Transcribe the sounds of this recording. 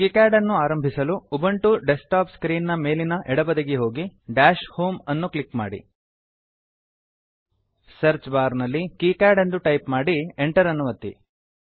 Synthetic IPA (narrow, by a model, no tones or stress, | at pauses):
kikaːɾɖɐnːuaːɾɐmbʱisɐluːbɐɳʈuɖesʈaːpskɾiːnːɐmeːlinɐʔɛɽɐbɐd̪ɐɡeɦo̞ːɡiɖaːʃhoːmɐnːuklikma̰ːɽḭ | sɐɾt͡ʃbaːɾnɐlːikiːkaːɖe̞nd̪uʈɐjpmaːɽieɳʈɐɾɐnːuʋɐt̪ːḭ